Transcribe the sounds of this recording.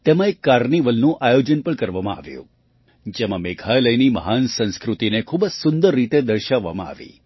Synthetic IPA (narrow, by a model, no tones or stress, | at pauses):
t̪emãekːaɾniʋəlnũʔajod͡ʒənpəɳkəɾʋamãa̰ʋjṵ̃ | d͡ʒemãmekʰajləjnimə̰ɦansə̃nskɾut̪inekʰubd͡ʒsʊnd̪əɾːit̪ed̪əɾʃaʋːa̰mãa̰ʋḭ